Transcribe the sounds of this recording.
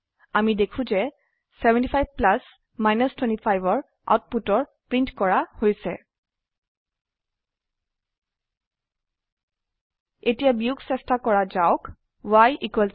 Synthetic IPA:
amidekʰũzɛ | sɛbɛ̃ntipʰajbplas | majnɔstwɛ̃ntipʰajbɔɹ | a̰ʊt̚putɔɹpɹintkɔɹahojsɛ̰ | etijabiuksɛstakɔɹazaʊk | wajʔikwɛl

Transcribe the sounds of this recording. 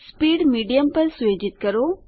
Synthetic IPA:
spiːɖmiːɖijəmpɐɾsʊjoːd͡ʒɪt̪̚kɐɾoː

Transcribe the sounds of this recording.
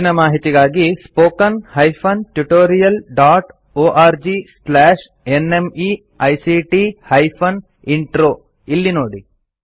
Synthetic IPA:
inɐmaːɦit̪iɡaːɡispoːkɐnhɐjpʰɐnʈjuʈoːɾijɐlɖaːʈ | oːʔaːɾd͡ʒislɛːʂ | enemi | ɐjsiʈihɐjpʰɐn | iɳʈɾoː | ilːinoːɽi

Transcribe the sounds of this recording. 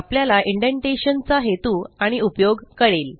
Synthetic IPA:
apljalaʔiɳɖeɳʈeɕənt͡saɦet̪uːaɽ̃iupjoɡkəɽel

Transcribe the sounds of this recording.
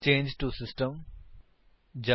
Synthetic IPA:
t͡ʃẽːnd͡ʒʈusɪsʈə̃m | d͡ʒa

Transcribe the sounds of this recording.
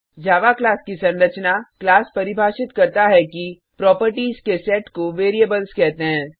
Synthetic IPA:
d͡ʒaːʋaklaːskisɐ̃nɾət͡ʃnaklaːspɐɾɪbʱaːʃɪt̪kɐɾt̪aɦɛki | pɾɔːpəɾʈiːzkesɛːʈkoʋeːɾieːbəlskɛɦt̪eɦɛ̃ː

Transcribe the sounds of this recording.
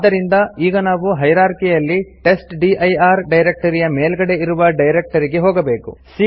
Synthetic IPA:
d̪ːɐɾind̪ɐiːɡɐnaːʋuɦɐjɾaːɾkijɐlːiʈe̞sʈɖiʔɐjaːɾɖɐjɾek̚ʈɐɾijɐmeːlɡɐɽe̞iɾuʋɐɖɐjɾek̚ʈɐɾiɡe̞ɦoːɡɐbe̞ːkṵsi

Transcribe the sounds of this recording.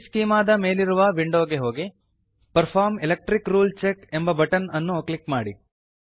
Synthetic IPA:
skiːmaːd̪ɐme̞ːliɾuʋɐʋiɳɖoːɡeɦo̞ːɡi | pɐɾpʰaːɾmilek̚ʈɾikɾuːlt͡ʃeke̞mbɐbɐʈɐnɐnːuklikmaːɽi

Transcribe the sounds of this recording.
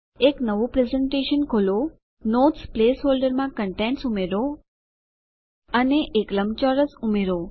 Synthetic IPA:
eknəʋopɾezeɳʈeʃənkʰolo | not̪splesɦolɖəɾmãkəɳʈẽɳʈsumeɾo | əneʔːkləmt͡ʃɔɾəsumeɾo

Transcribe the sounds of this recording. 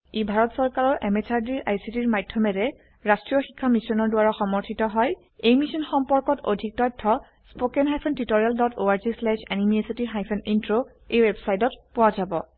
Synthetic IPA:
ebʱaɹɔtsɔɹkaɹɔɹʔɛmɛsaɹdiɹʔa̰jsitiɹmajdʱjɔmɛɹɛ | ɹastɹijɔxi̥kʰːamisɔnɔɹdʊwaɹɔxɔmɔɹtʰitɔɦɔj | ejmisɔnxɔmpɔɹkɔtʰo̰dʱik̚tɔtʰːɔ | spokɛnɦajpʰɔntitoɹialdɔtoaɹzislɛʃɛnimiesitiɦajpʰɔnintɹo | ejwɛbsajtɔtpʊwazabɔ

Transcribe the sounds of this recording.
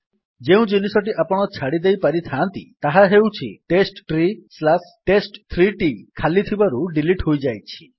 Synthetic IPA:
d͡ʒeũd͡ʒinisɔʈiʔapɔɽ̃ɔt͡ʃʰaɽid̪ejpaɾit̪ʰant̪it̪aɦaɦewt͡ʃʰḭʈesʈʈɾislasʈesʈt̪ʰɾiʈikʰalit̪ʰibaɾuɖiliʈhojd͡ʒajt͡ʃʰi̥

